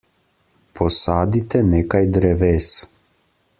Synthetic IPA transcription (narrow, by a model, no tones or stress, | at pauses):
pʰɔsaːd̪it̪ɛneːkajd̪ɾɛʋeːs